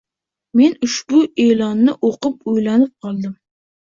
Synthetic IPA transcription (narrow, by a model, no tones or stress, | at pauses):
menʊʃbʊelˠɑnːɪʔoqɨp̚ujlanɪp̚qʰɑlˠd̪ɪm